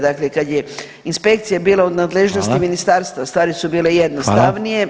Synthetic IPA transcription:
d̪aklekad̪je | inspe̞kt̪sijabiːlaod̪naːd̪leʒnost̪iminist̪aːɾst̪ʋast̪ʋaːɾisubiːlejed̪nost̪aʋnije

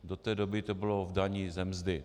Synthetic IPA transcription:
dot̪ɛːdobɪt̪obɪlovdaɲiːzɛmzd̪ɪ

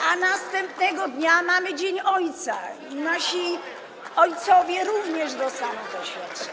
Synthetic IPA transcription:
anast̪ɛmpnɛɡɔd̪ɲamamɘd͡ʑeɲɔjt̪sa | naɕi | ɔjt̪sɔvʲjɛɾuvɲɛʐd̪ɔsamɛd̪ɔɕfʲat̪ʂɛ

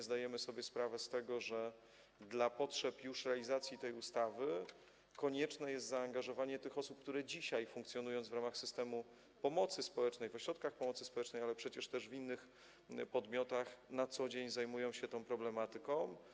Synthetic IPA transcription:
zd̪ajɛmɘsɔbʲjɛspɾavɛst̪ɛɡɔʐɛ | d̪lapɔtʂɛpjuʂɾɛalʲizat̪sʲjit̪ɛjust̪avɘ | kɔɲɛt͡ʂnɛjɛst̪zaːŋɡaʐɔvaɲɛt̪ɘxɔsup̚k̚t̪uɾɛd͡ʑiɕajfuŋkt̪sjɔnujɔnd̪zvɾamaxsɘst̪ɛmu | pɔmɔt̪sɘspɔwɛt͡ʂnɛjvɔɕɾɔt̪̚kaxpɔmɔt̪sɘ̥spɔwɛt͡ʂnɛjalɛpʂɛt͡ɕɛʂt̪ɛʐvinːɘx | pɔd̪mʲjɔt̪axnat̪sɔd͡ʑeɲzajmujɔ̃w̃ɕɛt̪ɔ̃w̃pɾɔblɛmat̪ɘkɔ̃w̃

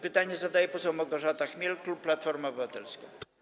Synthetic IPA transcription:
pɘt̪aɲɛzad̪ajɛpɔsɛwmɔɡɔʐat̪axmʲjɛlklupːlat̪fɔɾmaɔbɘvat̪ɛlska̰

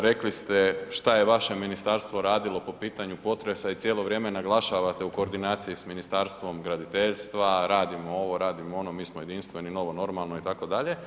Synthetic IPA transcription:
ɾe̞klist̪eʃt̪ajeʋaʃe̞minist̪aɾst̪ʋo̞ɾaːd̪ilˠo̞po̞piːt̪aɲupo̞t̪ɾe̞sait̪sʲjelo̞ʋɾjemenaɡlˠaʃaʋat̪euko̞ːɾd̪inaːt̪sijisminist̪aɾst̪ʋo̞mɡɾad̪it̪eʎst̪ʋaɾaːd̪imoo̞ʋo̞ɾaːd̪imoo̞no̞miːsmoje̞d̪inst̪ʋenino̞ʋo̞no̞ɾmalˠnoit̪ako̞d̪aʎe̞

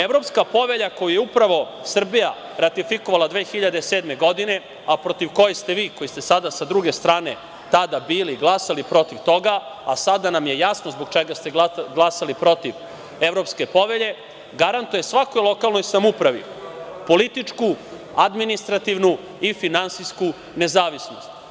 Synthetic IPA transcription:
evɾo̞pskapo̞ʋe̞ʎako̞jujeupɾaʋo̞ | sr̩bija | ɾat̪ifikoʋalˠad̪ʋeːxiʎad̪e̞seːd̪meɡo̞d̪ine̞ | apɾo̞t̪iʋko̞jest̪e̞ʋiːko̞jist̪e̞sad̪asad̪ɾuɡe̞st̪ɾaːne̞ | t̪ad̪abiːliɡlˠasalipɾo̞t̪iʋt̪o̞ɡaa̰sad̪anamjejasnozboɡ̚t͡ʃeɡast̪e̞ɡlasalipɾo̞t̪iʋ | eʋɾo̞pske̞po̞ʋe̞ʎe̞ | ɡaɾant̪uje̞sʋako̞jlˠo̞kalˠno̞jsamupɾaʋḭ | po̞lit̪it͡ʂku | ad̪minist̪ɾat̪iʋnu | ifinansijsku | ne̞zaːʋisno̰st̪

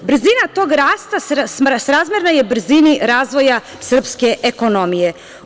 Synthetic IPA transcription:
br̩zinat̪o̞ːɡɾaːst̪asmsɾaːzmjeɾnaje̞br̩ziniɾaːzʋo̞ja | sr̩pske̞ʔeko̞no̞mije̞

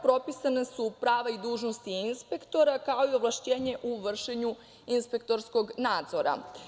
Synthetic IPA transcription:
pɾo̞pisanesupɾaːʋaid̪uːʒnost̪iinspe̞kt̪o̞ɾakao̞io̞ʋlˠaʃt͡ɕe̞ːɲe̞ʔuʋr̩ʃeɲu | inspe̞k̚t̪o̞ɾsko̞ɡnaːd̪zo̞ɾa̰

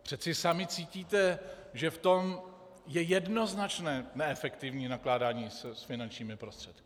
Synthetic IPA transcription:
pr̥ɛt͡sɪsamɪt͡siːciːt̪ɛʒɛft̪o̞m | jɛjɛdno̞znat͡ʃnɛːnɛɛfɛkt̪ɪvɲiːnaklaːdaːɲiːssfɪnant͡ʃɲiːmɪpɾo̞st̪r̥ɛt̪kɪ̥

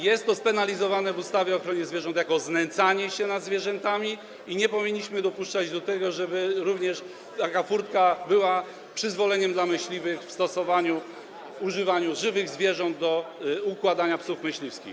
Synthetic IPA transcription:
jɛst̪ːɔspɛnalʲizɔvanɛvust̪avʲjɛɔxɾɔɲɛzvʲjɛʐɔnt̪jakɔznɛnt̪saɲɛɕɛnad̪zvʲjɛʐɛnt̪amʲi | iɲɛpɔvʲiɲːiɕmɘd̪ɔpuʂt͡ʂad͡ʑd̪ɔt̪ɛɡɔʐɛbɘɾuvɲɛʂ | t̪akafuɾt̪kabɘwa | pʂɘzvɔlɛɲɛmd̪lamɘɕlʲivɘxfst̪ɔsɔvaɲu | uʐɘvaɲuʐɘvɘɣzvʲjɛʐɔnd̪̚d̪ɔukwad̪aɲapsufmɘɕlʲifskʲḭx

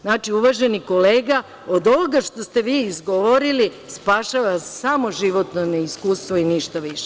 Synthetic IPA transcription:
znaːt͡ʃiuʋaːʒeniko̞leːɡa | od̪o̞ʋoɡaʃt̪o̞st̪e̞ʋiːzɡoʋoɾili | spaʃaʋasamo̞ʒiʋo̞t̪noneiskuːst̪ʋoiniʃt̪aʋiʃe

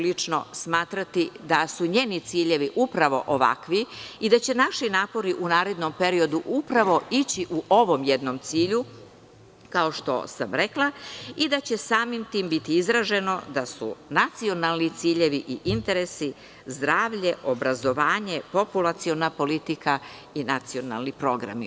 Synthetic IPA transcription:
lit͡ʂno̞̰smaːt̪ɾat̪id̪asuɲe̞ːnit̪siːʎe̞ʋiʔupɾaʋo̞ʔoʋa̰kʋiid̪at͡ɕe̞naʃinaːpo̞ɾiʔunaːɾe̞d̪no̞mpe̞ɾio̞d̪uʔupɾaʋo̞it͡ɕiʔuʔo̞ʋo̞mjed̪no̞mt̪siːʎu | kao̞ʃt̪o̞̰samɾe̞klˠaid̪at͡ɕe̞saːmimt̪iːmbit̪iizɾaʒe̞no̞d̪asṵnat̪sio̞nalˠnit̪siːʎe̞ʋiʔiʔint̪e̞ɾe̞si | zd̪ɾaːʋʎe̞ʔo̞bɾazo̞ʋaːɲe̞po̞pulat̪sio̞napo̞lit̪ika | inat̪sio̞na̰lˠnipɾo̞ɡɾa̰mḭ

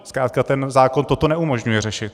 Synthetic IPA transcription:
skɾaːt̪̚kat̪ɛnzaːko̞nt̪ot̪onɛumo̞ʒɲujɛrɛʃɪt̪̚

